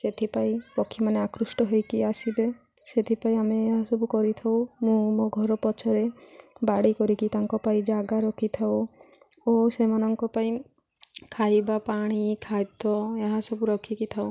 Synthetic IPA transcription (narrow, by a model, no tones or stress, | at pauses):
set̪ʰipaĩpɔkʰːimaneakɾusʈɔɦojkiasibe | set̪ʰipaĩameːɦasɔbukɔɾit̪ʰaw̃mũmɔɡʱɔɾɔpɔt͡ʃʰɔɾebaɽikɔɾikit̪aŋkɔpaĩd͡ʒaɡaɾɔkʰit̪ʰaw | osemanɔŋkɔpaĩ | kʰajbapaɽ̃ikʰajt̪ɔeɦasɔbuɾɔkʰikit̪ʰaw